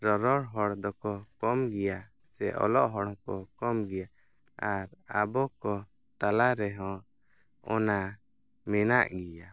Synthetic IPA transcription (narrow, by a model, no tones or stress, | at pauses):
ɾɔɾɔɽɦɔɽd̪ɔkɔkɔmɡɛja | sɛ̰ʔɔ̰lɔʔɦɔɽɔ̃kɔkɔmɡɛja | aɾabɔkɔ | t̪alaɾɛɦɔ̃ | ɔna | mɛnaʔɡija